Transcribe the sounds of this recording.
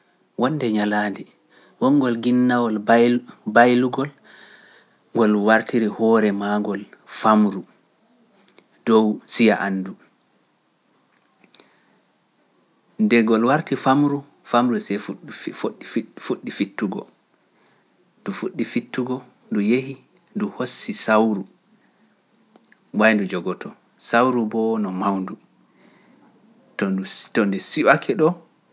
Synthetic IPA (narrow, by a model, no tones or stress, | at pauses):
wɔnːdɛɲalaːdi | wɔŋɡɔlɡinːawɔl | bajluɡɔl | ŋɡɔlwaɾtʰiɾihɔɾɛmaɡɔlfamɾu | dɔwsijaʔanːdu | ndɛɡɔlwaɾtifamɾu | famɾusɛf | fuɗːifitːuɡɔ̰ | ndufuɗːifitːuɡɔ | ndujehi | nduhosːisawɾu | wajndud͡ʒɔɡɔtʰɔ | sawɾubɔnɔmawndu | tɔtɔndɛsiwakʰɛɗɔ